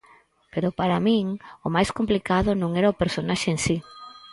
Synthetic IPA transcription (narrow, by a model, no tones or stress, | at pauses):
peɾʊpaɾamĩŋomajskomplikaðʊnõŋɛɾaopeɾsonaʃeensi